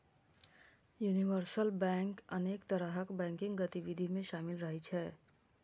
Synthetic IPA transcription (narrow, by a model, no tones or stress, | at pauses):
juːniʋəɾsəlbɛ̃ːŋkɐneːkt̪ɐɾəɦəkbɛ̃ːŋkɪ̃ŋɡɡət̪iʋɪd̪ʱimẽʃaːmɪlɾɐɦit͡ʃʰɛː